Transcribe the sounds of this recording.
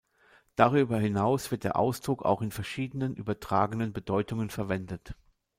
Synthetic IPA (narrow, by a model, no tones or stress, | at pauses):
d̥aʁyːbɐhɪnaʊsv̥ɪɐt̚d̥eːɐʔa̰ʊsd̥ʁʊka̰ʊxɪnfɛɐʃiːdənənʔy̰ːbɐtʁ̥a̰ːɡənənbədɔʏtʊŋənfɛɐvɛndət